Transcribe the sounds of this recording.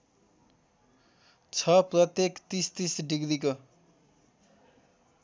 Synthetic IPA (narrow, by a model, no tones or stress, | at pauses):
t͡sʰʌprʌt̪jekt̪ist̪isɖiɡɾiko